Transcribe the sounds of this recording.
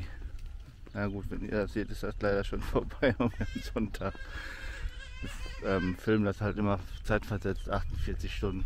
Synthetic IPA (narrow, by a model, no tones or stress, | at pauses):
najaɡuːtv̥ɛnḭːɐdasz̥eːtɪstd̥aslaɪɾɐʃoːnfoːɐbaɪʊmaz̥ɔntʰaːk | ʔɛːmfɪlmdashaltʔɪmɐt͡saɪtfɛɐzɛt͡stʔaχtʊn̩fɪɐt͡sɪçʃtʊndn̩